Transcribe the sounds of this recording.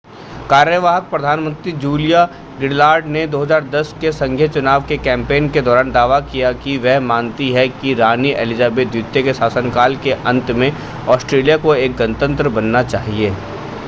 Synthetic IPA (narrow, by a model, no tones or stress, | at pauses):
kaːɾjəʋaːɦək̚pɾɐd̪ʱaːnmə̃nt̪ɾid͡ʒuːlija | ɡɪɽlaːɾɖned̪oːɦəzaːɾd̪ɐskesɐ̃ŋɡʱjet͡ʃʊnaːʋkekɛ̃ːmpeːnked̪ɔːɾaːnd̪aːʋakijakiʋɛɦmaːnt̪iɦɛkiɾaːniʔḛːlɪzaːbeːt̪d̪jʊt̪jekesaːsənkaːlkeʔɐ̃nt̪mẽ | ɔːsʈɾeːlijakoeːk̚ɡənət̪ə̃nt̪ɾəbɐnːat͡ʃaːɦieː